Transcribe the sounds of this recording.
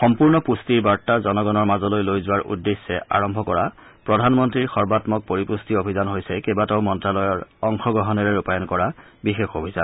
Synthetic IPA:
xɔmpuɹnɔpustiɹbaɹtazɔnɔɡɔnɔɹmazɔlojlojzʊwaɹʔṵdːesːɛʔa̰ɹɔmbʱɔkɔɹa | pɹɔdʱanmɔntɹiɹxɔɹbatmɔk̚poɹipustiobʱizanɦojsɛkebatɔʊmɔntɹalɔjɔɹɔŋxɔɡɹɔɦɔnɛɹɛɹupajɔnkɔɹabixexobʱiza̰n

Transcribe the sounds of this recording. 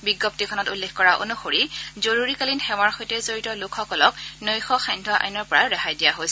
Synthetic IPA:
biɡɔp̚tikʰɔnɔtulːexkɔɹaʔo̰nuxoɹizoɹuɹikalinxɛwaɹxojtɛzoɹitɔlukʰɔkɔlɔknojxɔxajndʱɔʔa̰jnɔɹpɔɹaɹaxajdijaɦojsɛ

